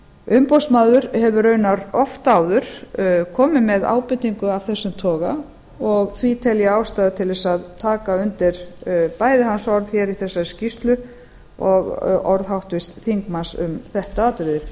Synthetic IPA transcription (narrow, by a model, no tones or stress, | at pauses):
ʏmpowsmaːðʏɾ̥hɛvʏɾœːɥnaɾɔft̪aːwðʏɾ̥kʰɔːmɪmɛða̰ːwpɪt̪ːiŋkʏav̥θɛsːʏmt̪ʰɔːɣa | ɔɣθvit̪ʰɛljaaːwst̪aðat̪ʰɪlðɛsaðt̪ʰaːkaʏnt̪ɪɾ̥pajðɪɦansɔɾðçɛɾiθɛsːascist̪lʏ | ɔɣɔɾðɦawht̪vɪst̪θiŋkmansʏ̰mθɛht̪aaːt̪ɾɪðɪ